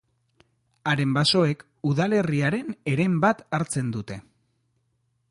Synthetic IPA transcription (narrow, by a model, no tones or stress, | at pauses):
aɾe̞mbaso̞e̞k | uðale̞riaɾe̞ne̞ɾe̞mbat̪aɾt͡se̞nd̪ut̪e̞